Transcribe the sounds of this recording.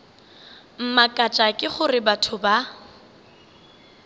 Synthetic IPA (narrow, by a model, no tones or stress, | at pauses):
m̩makʼat͡ʃʼakʼɪχʊrɪbatʰʊba